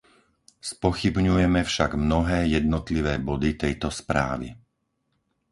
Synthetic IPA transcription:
spɔxibɲujɛmɛfʃaɡmnɔɦɛːjɛd̪̚nɔt̪liʋɛːbɔd̪it̪ɛjt̪ɔspɾa̰ːʋḭ

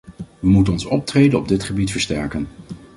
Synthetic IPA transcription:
ʋəmutənɔnsɔp̚treːdənɔb̚dɪtχəbitfəɹstɛɹkən

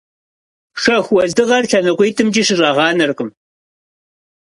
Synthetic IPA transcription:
ʂɐxʷwɐzdɨʁɐrɬʰɐnɨqʷijtʰɨmd͡ʒiːʃɪrɑʁɑːnɨrqʼəm

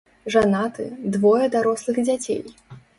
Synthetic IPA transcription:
ʐanat̪ɨ̰d̪vɔjɐd̪aɾɔslˠɨɣd͡zʲat͡sʲḛj

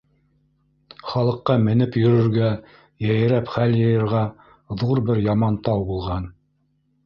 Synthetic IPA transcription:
χɑlˠɤ̆qːɑmɘ̆nɘpjɵ̆ɾɵ̆ɾɡæ | jæ̆jɘ̆ɾæpχæljɤ̆jɤ̆ɾʁɑ | ðuɾbɘɾjɑmɑnt̪ɑwbulˠʁɑn

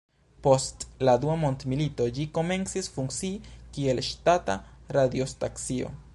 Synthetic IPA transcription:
po̞stlad̪uamo̞ntmilito̞d͡ʒiko̞me̞nsisfuŋkt͡sikie̞lʃtata̰ɾad̪jo̞staksio̞̰

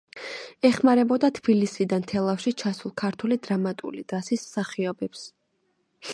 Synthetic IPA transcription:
ɛχmaɾɛbɔd̪at̪ʰb̥ilisid̪ant̪ʰɛlˠafʃit͡ʃʰasulˠkʰaɾt̪ʰulid̪ɾamat̪ʼṵlid̪̥asismsaχiɔbɛps

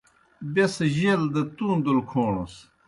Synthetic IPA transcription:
besɐʑeld̪ɐt̪uːnd̪ulkʰoːɳo̰s

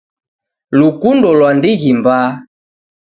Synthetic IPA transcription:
lukundɔlwandiɣimbaː

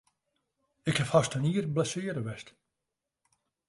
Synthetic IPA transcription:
ɪkhɛfhastəniːərblɛsɪəɾəʋɛst

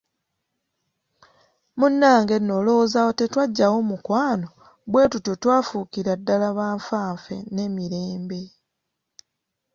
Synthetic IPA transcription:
munːaːŋɡe̞nːo̞ːlo̞zawote̞twaɟːawo̞ːmukwaːno̞ | βwe̞ːtutjo̞twaːfukiɾadːalaβaːɱfaːɱfe̞̰ne̞miɾe̞ːmbe̞

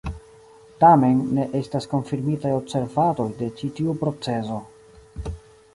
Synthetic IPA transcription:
tame̞nːe̞ʔe̞stasko̞nfiɾmitajo̞bse̞ɾvato̞jde̞t͡ʃitiupɾo̞t͡se̞zo̞

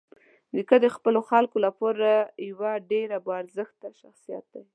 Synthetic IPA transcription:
d̪əkəd̪əxpəloxalkolapoɾajwaɖeɾabaɾzəxt̪aʃaxsijɑ̰t̪̚d̪ai

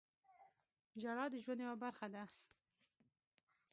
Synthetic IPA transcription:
ʒaɽɑd̪əʒwanewabaɾxad̪a

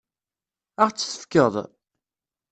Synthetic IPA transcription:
aʁt͡sːθə̥fkəðˤ

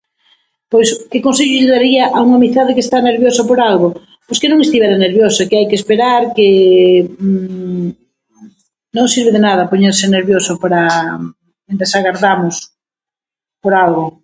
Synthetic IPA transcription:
pojskɪkons̬eʎʊʎeðaɾiɐʔauŋamiθaðɪkest̪aneɾβjosapoɾalɣo | poskenõŋest̪iβeɾaneɾβjosakeajkespeɾaɾke | nõŋsiɾβeðenaðɐpoɲeɾsɪneɾβjosʊpaɾa | end̪esaɣaɾðamʊs | poɾalɣo

